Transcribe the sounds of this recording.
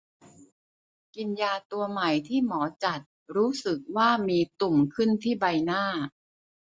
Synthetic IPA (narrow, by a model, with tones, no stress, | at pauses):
ki˧njaː˧t̪u˧ɐma˨˩jt̪ʰiː˥˩mɔː˩˦t͡ɕa˨˩t̪̚ɾuː˦˥sɯ˨˩k̚waː˥˩miː˧t̪u˨˩mkʰɯ˥˩nt̪ʰiː˥˩ba˧jnaː˥˩